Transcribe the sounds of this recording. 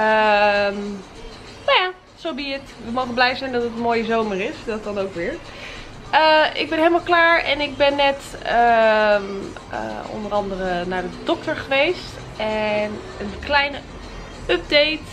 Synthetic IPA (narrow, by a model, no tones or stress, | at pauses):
əm | najaː | sowbiət | ʋəmowχənblɛjzɛjndɔtətənmoːjəzowmərɪsdɔt̚dɑnowkʋɪːɹ | əɪ̰ɡ̚bɛnɦeɪləmalˠklaːɹɛ̰nɪɡ̚bɛnːɛtəm | ə̰ɔ̰ndərɑndərənaːdədɔk̚təɹχəʋejst | ʔɛn | ənklɛjnə | œp̚dejt